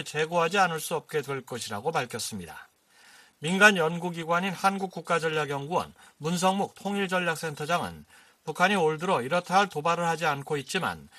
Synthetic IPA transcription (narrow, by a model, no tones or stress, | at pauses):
t͡ɕe̞ɡoɦad͡ʑianɯɭs͈uʌp̚k͈e̞dwe̞ɭk͈ʌɕʰiɾaɡopaɭkʰjʌs͈ɯmɲida̰ | minɡanjʌnɡuɡiɡwaɲinhanɡuk̚k͈uk̚k͈ad͡ʑʌʎːaɡjʌŋɡuʌ̰nmuns̬ʰʌŋmuk̚tʰoŋiɭd͡ʑʌʎːak̚s͈ʰe̞ntʰʌd͡ʑaŋɯ̰n | pukʰaɲioɭdɯɾʌiɾʌtʰaɭtobaɾɯɭhad͡ʑiankʰoit̚t͡ɕ͈ima̰n